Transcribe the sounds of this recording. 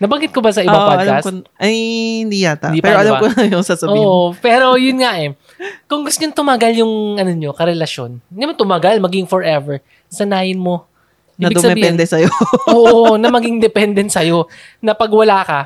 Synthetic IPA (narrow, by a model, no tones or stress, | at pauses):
nɐbɐŋɡɪt̪̚kobɐsɐʔɪaŋbaɐlkaɐskʔɐjhɪnd̪ijat̪ad̪ipɛɾoʔɐlɐmkoɐɐjosaːsɐboiːʔopɛːɾo̞jʊnŋaʔɛ | kʊŋɡʊst̪ɲont̪ʊmaɡaljʊŋʔɐnoɲo̞kɐɾɛlɐʃo̞̰nɡɐjmɐnt̪ʊmaɡalmɐɡɪŋfoɹʔɛvɛɹ | sɐnaːjɪnmo̞ | iːɐdbɪd̪ɡsɐmɛiɛnd̪ɛsɐjoʔoːʔʔonɐmɐɡɪŋd̪ɛpɛnd̪ɛnsɐjo̞ | nɐpɐɡwɐlaːkɐ